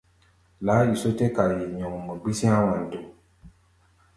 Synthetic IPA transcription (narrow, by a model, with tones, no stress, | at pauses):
la˨˦i˨so˦tɛ˦ka˨ɾje˨ɲɔ̃˨ŋu˨mɔ˨ɡ͡bi˦sĩ˦ã˦wã˨n̩˨to˨